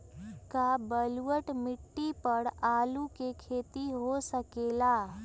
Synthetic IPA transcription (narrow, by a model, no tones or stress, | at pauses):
kabəlwəʈmɪʈːipəɽaːlukekʰeːt̪iɦosəkeːlaː